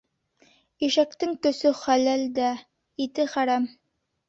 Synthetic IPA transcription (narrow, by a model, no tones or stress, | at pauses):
iʃækt̪ɘŋt̪ɵ̆sɵχælæld̪æ | it̪ɘχæɾæm